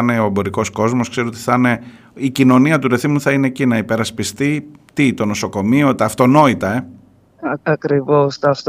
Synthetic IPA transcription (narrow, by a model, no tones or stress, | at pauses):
neo̞ebo̞ɾiko̞sko̞zmo̞skseoot̪i̥θɐne̞ | icino̞niɐt̪uɾe̞θimuθɐine̞cinɐipe̞ɾɐspist̪it̪it̪o̞no̞so̞ko̞mio̞t̪ɐːft̪o̞no̞it̪ɐe | ɐkɾivost̪ɐɐft̪